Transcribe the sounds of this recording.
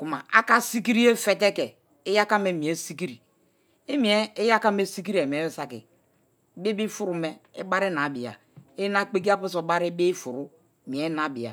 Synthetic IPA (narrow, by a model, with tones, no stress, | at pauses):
ku˨ma˨a̰˦ka˦si˦ki˦ɾi˦e˦fe˦˨t̬e˦ke˨ | i˦ja˦ka˦me˨˦˨mi˨e˦si˦ki˦ɾi˨ | e˦mi˨˦e˦e˦ja˦ka˦me˦si˦k̬i˦ɾi˦e˨mi˨e˦sa˦kḭ˨˦ | be˦bi˦fu˦ɾu˨me˦i˦ba˦ɾi˦na˨bi˨ja̰˨ | e˦na˦k͡pe˦k̬i˦a˦pu˦s̬o˨ba˦ɾi˦be˦fu˨ɾu˦˨ | mi˨e˦na˨bi˨a̰˨